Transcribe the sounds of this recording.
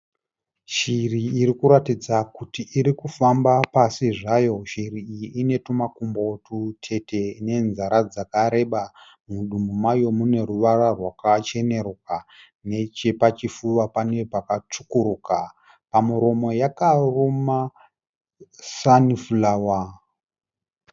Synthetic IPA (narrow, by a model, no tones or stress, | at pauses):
ʃiriːɾikuɾatid͡zakutiʔiɾikufambapasiʐajo̞ʃiriːjiine̞tumakumbo̞tʰutʰe̞te̞ine̞nzaɾad͡zakaɾe̞ɓa | muɗumumajo̞mune̞ruʋararwakat͡ʃe̞ne̞roka | ne̞t͡ʃe̞pat͡ʃifuʋapane̞pakat͡ʂukuɾuka | pamiɾo̞mo̞jakaroma | sanifulawa